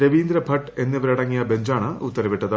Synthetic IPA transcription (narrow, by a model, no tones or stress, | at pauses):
ɾɐʋiːnd̪ɾɐbʱɐʈːe̞nːiʋɐɾɐɽɐŋːijɐbe̞ɲd͡ʑaːɳɨut̪ːɐɾɐʋiʈːɐðɨ